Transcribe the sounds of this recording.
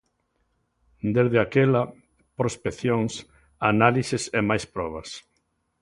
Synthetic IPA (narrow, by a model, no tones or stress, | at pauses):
d̪ezðeakela | pɾospekθjoŋs | analisɪsemajspɾɔβ̞ɐs